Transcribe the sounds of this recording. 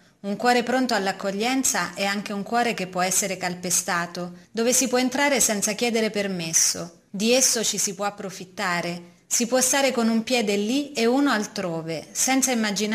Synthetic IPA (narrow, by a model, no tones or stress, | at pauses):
uŋkwɔːɾepɾont̪oalːakːoʎːɛnt̪saʔɛaŋk̟euŋkwɔːɾekepːwɔɛsːeɾekalpest̪aːt̪od̪oːvesipwɔent̪ɾaːɾesɛnt̪sak̟jɛːd̪eɾepermesːo̰ | d̪iesːot͡ʃisipwɔapːɾofit̪ːaːɾe | sipwɔst̪aːɾekonumpjɛːd̪elieuːnoalt̪ɾoːvesɛnt̪saimːad͡ʒin